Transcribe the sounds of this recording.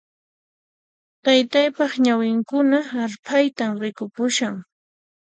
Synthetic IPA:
t̪ajt̪ajpɑχɲawɪŋkʊnaːɾpʰajt̪amɾɪkʊpʊʃaŋ

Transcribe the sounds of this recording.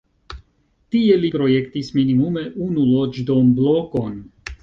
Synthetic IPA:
tie̞lipɾo̞je̞ktisminimume̞ʔunulo̞d͡ʒdo̞nbloko̞n

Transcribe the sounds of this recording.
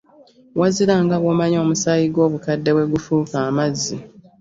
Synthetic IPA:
waziɾaŋɡaβomaɲo̞ːmusaːjiɡwo̞ːβukadːe̞βwe̞ɡufuːkaːmazːi

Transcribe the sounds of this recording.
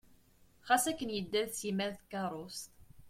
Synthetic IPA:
χasækːənjəd̪ːælsimæɾθkɑɾˤost̪

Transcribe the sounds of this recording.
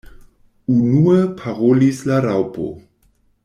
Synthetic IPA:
unuəpʰaʁolislaɾawpo̰

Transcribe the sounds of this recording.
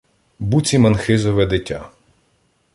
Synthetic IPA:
but͡sʲimɐnxɪzɔʋɛd̪ɪtʲːa̰

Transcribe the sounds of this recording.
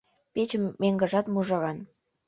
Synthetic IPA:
pet͡ɕəmːeŋɡə̆ʒɑt̪muʒɑɣɑn

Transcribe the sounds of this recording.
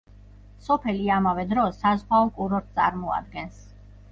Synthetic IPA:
sɔpʰɛliamavɛd̪ɾɔsːazʁaɔkʼuɾɔɾt̪̚ʰtsʼa̰ɾmɔa̰d̪̚ɡɛns

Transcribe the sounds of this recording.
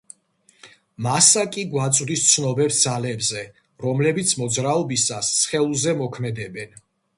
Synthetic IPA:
masakʼiɡwat̪sʼd̪ist̪sʰnɔbɛpsd̪zalɛbzɛ | ɾɔmlɛbit̪sʰmɔd̪zɾaɔbisasːχɛlˠuzɛmɔkʰmɛd̪ɛbɛn

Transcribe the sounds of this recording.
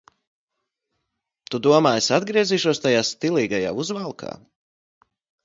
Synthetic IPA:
t̪ud̪uɔmaːjsad̪ɡɾiɛziːʃuɔst̪ajaːst̪ilˠiːɡaja̰ːuzvalˠkʰa̰ː

